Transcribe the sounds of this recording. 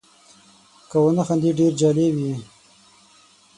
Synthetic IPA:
kawanaxand̪iɖeɾd͡ʒɑːlewi

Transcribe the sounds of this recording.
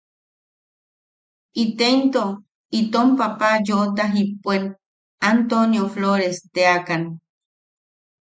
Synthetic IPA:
it̪ent̪o | it̪ompapajot̪aɦipʷːen | ant̪onjofloɾest̪eakan

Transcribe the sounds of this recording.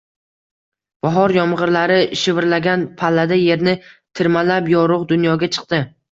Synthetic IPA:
b̥ɒɦɒɾjɒmʁɨɾlaɾɪʃɪvɪɾlaɡʲanpʰalːad̪aje̞ɾnɪt̪ʰɪɾmalapjɒɾʊqd̪ʊnjɒɡʲat͡ʃʰɨ̥qt̪ɪ

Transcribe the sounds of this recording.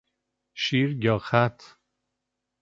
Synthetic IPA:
ʃiɾjɒːxæt̪ʰ

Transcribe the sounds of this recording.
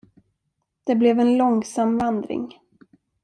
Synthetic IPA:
d̪̥ɛblɛvɛnlɔŋsamvand̪ɾɪ̰ŋ

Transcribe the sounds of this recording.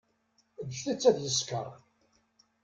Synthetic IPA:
d̪ʃθit͡sːæðjəskə̰ɾˤ

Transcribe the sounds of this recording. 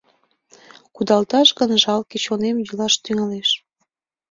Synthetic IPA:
kud̪ɑlt̪ɑʃɣənʒɑlket͡ɕonemjylɑʃt̪yŋɑleʃ

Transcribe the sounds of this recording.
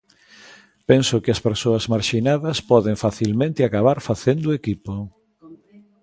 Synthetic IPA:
pensʊkɪɐspeɾsoɐzmaɾʃinaðɐspɔðɪɱfaθilmẽnt̪ɪakaβaɾfaθend̪ʊekipo

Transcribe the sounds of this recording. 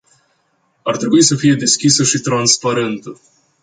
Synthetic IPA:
art̪ɾe̞buisəfije̞d̪e̞skʲisəʃit̪ɾanspaɾe̞nt̪ə

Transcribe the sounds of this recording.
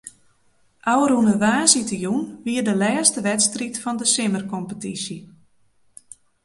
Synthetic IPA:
ʔawɾunəʋaːsitəjunʋiərdəlɛːstəʋɛtstritfɔndəsɪmərkɔmpətisjə

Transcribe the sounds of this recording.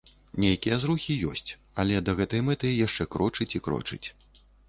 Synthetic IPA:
nʲejkʲijɐzɾuxʲijɔ̰sʲt͡sʲ | ɐlʲɛd̪ɐɣɛt̪ɐjmɛt̪ɐjjaʂt͡ʂɛkɾɔt͡ʂɨt͡sʲikɾɔ̰t͡ʂɨ̰t͡sʲ

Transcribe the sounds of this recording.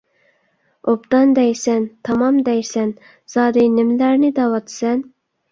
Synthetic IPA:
opt̪ɑnd̪ɛjsɛnt̪ʰɑmɑmd̪ɛjsɛn | z̥ɑːd̪ɨnɪmɪlæɾnɪd̪ɑwɑt̪ʰsɛn

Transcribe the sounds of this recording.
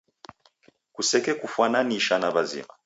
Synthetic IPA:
kusɛkɛkufwananiʃanaβazḭma̰

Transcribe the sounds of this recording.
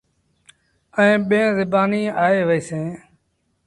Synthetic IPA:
əẽːɓẽːzɪbaːniːaːeːʋəeːsẽː

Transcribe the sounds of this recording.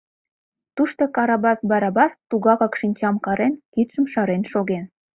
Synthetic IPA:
t̪uʃt̪okɑɾɑbɑsbɑɾɑbɑst̪uɣɑkɑkʃinʲt͡ɕɑmkɑɾenkit̪ʃə̆mʃɑɾenʃoɣen

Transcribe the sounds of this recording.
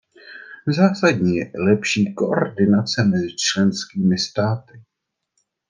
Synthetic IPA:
zaːsadɲiːjɛlɛpʃiːko̞ʔoɾdɪnat͡sɛmɛzɪt͡ʃlɛnskiːmɪst̪aːt̪ɪ

